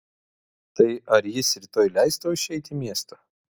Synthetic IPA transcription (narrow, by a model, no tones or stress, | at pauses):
t̪ɐɪɐɾjɪsɾʲɪt̪oːjlʲæɪst̪oɪʃʲɛɪt̪ʲɪmʲiɛst̪oː